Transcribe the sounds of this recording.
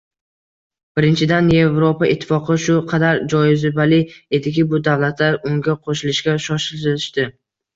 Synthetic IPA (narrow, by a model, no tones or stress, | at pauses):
b̥ɪɾɪnt͡ʃʰɪd̪anje̞vɾopaɪt̪ʰːɪ̥fɒqɨʃʊqʰɑd̪aɾd͡ʒɒjɪzɪbalɪe̞d̪ɪkʲɪbʊd̪avlat̪ʰlaɾʊŋɡʲaqʰoʃɪlɪʃɡʲaʃɒʃɪlt̪ɪlɪʃt̪ɪ